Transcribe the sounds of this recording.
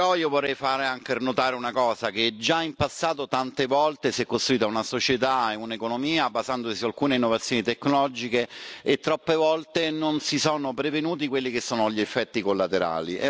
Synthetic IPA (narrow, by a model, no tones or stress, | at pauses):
ɔiovorːɛjfaːɾeaŋkernot̪aːɾeunakɔːzak̟ed͡ʒaimpasːaːt̪ot̪ant̪evɔlt̪esɛkːost̪ɾuiːt̪aunasot͡ʃet̪aeunekonomiːabazand̪osialkuːneinːovat̪sːjoːnit̪ekːnolɔd͡ʒikeet̪ːɾɔpːevɔlt̪enonsisoːnopɾevenuːt̪̬ikwelːikesːoːnoʎːiefːɛt̪ːikolːat̪eɾa̰ːlḭʔɛ